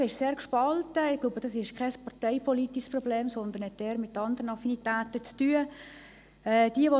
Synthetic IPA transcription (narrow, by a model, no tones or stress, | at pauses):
ɪʃseːɾkʃpɑltəɪɡ̥labəd̥ɑsɪʃkʰɛspɑʁtɛɪpʰɔlitiʃsprɔbleːmsɔnd̪ən̩hɛt̚dɛːɾmɪtːɑnd̪əʁənɑfinitæːtət͡styːə | ɛːd̥iəʋo